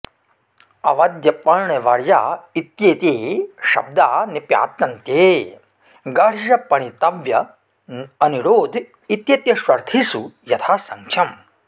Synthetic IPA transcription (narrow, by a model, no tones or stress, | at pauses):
ɐ̰ʋɐd̪jɐpɐɭɳeʋɐɾja̰ːit̪jeːt̪eːʃɐ̰b̚d̪aːnipja̰ːt̪jɐnt̪jeː | ɡɐɽʒɐpɐɳ̃it̪ɐʋjɐ | ɐniɾoːd̪ʱ | it̪jeːt̪jɐʃʋɐɾt̪ʰisujɐt̪ʰaːsɐŋkʰjɐm